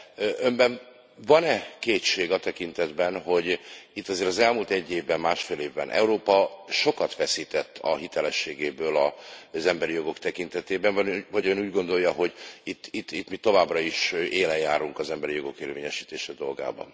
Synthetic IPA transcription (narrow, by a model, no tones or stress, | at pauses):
ømbɛn | vɒnɛkeːt̪ʃeːɡɒt̪ɛkint̪ɛd̪bɛnɦo̞ɟit̪ːɒzeːɾɒzɛlmuːlt̪ɛɟːeːvbɛmːaːʃfeːleːvbɛ̰nʔɛ̰uɾoːpɒʃo̞kɒt̪ʋɛsiːt̪ɛt̪ːɒ̰ɦit̪ɛlɛʃːeːɡeːbøːlɒzɛmbɛɾijo̞ɡo̞kt̪ɛkint̪ɛt̪eːbɛɱvɒvɒɟønuːɟɡo̞nd̪o̞jɒɦo̞ɟit̪ːit̪ːit̪ːmit̪o̞vaːbrɒiʃeːlɛjːaːɾuŋkɒzɛmbɛɾijo̞ɡo̞keːrveːɲɛʃiːt̪eːʃɛd̪o̞̰lɡa̰ːbɒ̰n